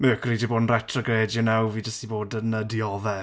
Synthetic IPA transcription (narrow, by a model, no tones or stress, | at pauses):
məːkʰriːdiboːdn̩rɛtʰrəɡreːdjɔnawviːdəstiboːdənədiɔðɛ